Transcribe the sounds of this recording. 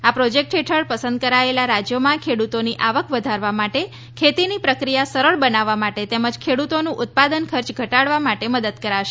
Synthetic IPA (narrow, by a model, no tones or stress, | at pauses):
apɾɔd͡ʒek̚ʈɦeʈʰəɭpəsənd̪̚kəɾaelaɾad͡ʒjomãkʰeɽut̪oniʔaʋəkʰʋəd̪ʱaɾʋamaʈe | kʰet̪inipɾəkɾijasəɾəɭbənaʋːamaʈet̪eməd͡ʒkʰeɽut̪onũʔʊt̪̚pad̪ənkʰəɾt͡ʃɡʱəʈaɽʋamaʈeməd̪əd̪̚kəɾaʃe